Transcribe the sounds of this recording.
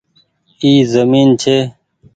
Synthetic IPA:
iːzəmiːnt͡ɕʰeː

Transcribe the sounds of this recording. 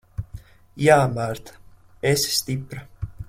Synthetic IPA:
jaːmaɾt̪ | esst̪ʲipɾa

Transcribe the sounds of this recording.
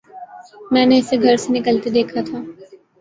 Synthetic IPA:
mɛ̃ːneɪseɡʱɐɾsenɪkəlt̪ed̪eːkʰat̪ʰaː

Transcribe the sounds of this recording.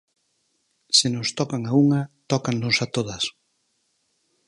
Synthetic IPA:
sɪnʊst̪ɔkaŋauŋat̪ɔkaŋnʊsat̪oðɐs

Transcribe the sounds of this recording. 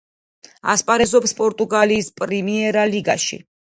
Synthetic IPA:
a̰spʼaɾɛzɔpspʼɔɾt̪ʼuɡaliːspʼɾimiɛɾaliɡaʃḭ

